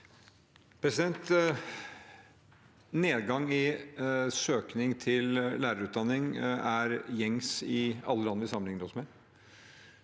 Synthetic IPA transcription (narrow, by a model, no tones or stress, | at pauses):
pʰɾɛsɪd̪ɛnt̪ | neːd̪ɡɑŋɪ | søːknɪŋt̪ʰɪllæːɾəɾʉːt̪̚d̪ɑnːɪŋæɾjɛŋsɪɑ̰lːəlɑnːəʋɪsɑmənɪŋːəɾɔsmɛ